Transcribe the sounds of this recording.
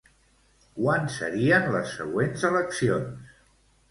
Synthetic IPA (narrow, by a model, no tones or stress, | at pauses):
kwansə̰ɾiənləsːə̰ɣwenzələksions